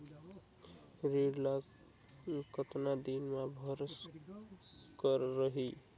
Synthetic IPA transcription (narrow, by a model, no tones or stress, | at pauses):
ɾeɽla | kət̪nad̪inmabʱəʌɾs | kəɾːəɦi